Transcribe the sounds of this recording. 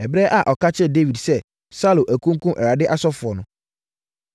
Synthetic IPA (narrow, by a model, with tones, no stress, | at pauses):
ɛ˨bɾɛː˦ʔa˨ʔɔ˨kʰa˦t͡ɕʰɛ˦de˦wi˨dsɛ˦ | sa˦lo˨ʔæ˨kʰũ˦ŋ̩˦kʰũ˦mʔɛ˨ɾa˨dɪ˦ʔa˦sɔ˦fʊ˨ɔ˨nʊ̃˦